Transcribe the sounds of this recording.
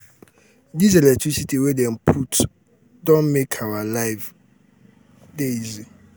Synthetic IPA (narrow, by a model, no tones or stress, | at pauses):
dizɛlɛk̚tʰɹisitʰiwedɛ̃npʰut | dɔ̃nmekʰawalaɪv | deizi